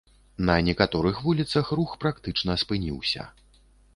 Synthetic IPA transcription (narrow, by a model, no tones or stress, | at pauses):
nɐnʲɛkat̪ɔɾɨxvulʲit̪sɐxruxpɾakt̪ɨt͡ʂnɐspɨnʲḭwsʲɐ̰